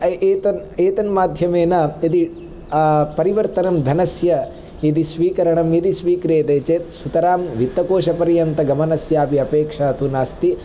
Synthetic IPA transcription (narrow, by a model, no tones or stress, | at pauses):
eːt̪ɐneːt̪ɐnmaːd̪ʱjɐmeːnɐid̪i | pɐɾiʋɐɾt̪ɐnɐmd̪ʱɐnɐsjɐ | id̪isʋiːkɐɾɐɳɐmid̪isʋiːkɾeːt̪eːt͡ʃeːt̪sut̪ɐɾaːmʋit̪ːɐkoːʃɐpɐɾijɐnt̪ɐɡɐmɐnɐsjaːpiɐpeːkʂaːt̪unaːst̪i